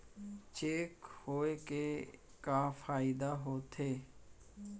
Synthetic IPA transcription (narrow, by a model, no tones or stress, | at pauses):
t͡ʃeːkhoːekekafaːɪd̪aɦoːt̪ʰeː